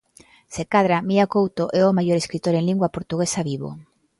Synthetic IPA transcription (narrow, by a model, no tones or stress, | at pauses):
sekaðɾamiakowt̪oʔɛomajoɾeskɾit̪oɾeŋliŋɡwapoɾt̪uɣesaβiβo̰